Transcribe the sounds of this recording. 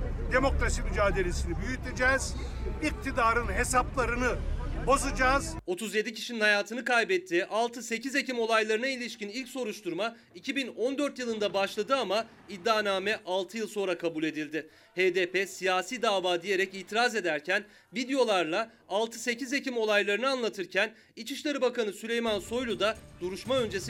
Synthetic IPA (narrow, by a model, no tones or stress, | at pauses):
d̪e̞mo̞kɾasimyd͡ʒaːd̪e̞lʲe̞sinibyjyt̪id͡ʒɛːz̥ik̚t̪ʰid̪aːɾɯnɦe̞saplˠaɾɯnɯbo̞zad͡ʒaːzo̞t̪ʰuzje̞d̪icʰi̥ʃininhajaːt̪ʰɯnɯkajbɛt̪ʰːiːʔalˠt̪ʰɯse̞cʰize̞cimo̞lˠajlˠaɾɯnailʲiʃcinilʲcso̞ɾuʃt̪ʰuɾma | icʰibino̞nd̪ø̞ɾt̪jɯlˠɯnd̪abaʃlˠad̪ɯama | id̪ːaːnaːmɛʔalˠt̪ʰɯjɯlˠso̞nɾakʰabulʲe̞d̪ilʲd̪ɪ | heːd̪eːpʰesijaːsiːd̪aːvaːd̪ije̞ɾɛciːt̪ʰiɾaze̞d̪æɾcʰæn | vid̪ejo̞lˠaɾlˠa | alˠt̪ʰɯse̞cizecimo̞lˠajlˠaɾɯnɯanlˠat̪ʰɯɾcʰæn | it͡ʃʰiʃlʲˠaɾɯbakanɯsylʲe̞jmanso̞jlˠud̪ad̪̥uɾuʃmaø̞nd͡ʒe̞s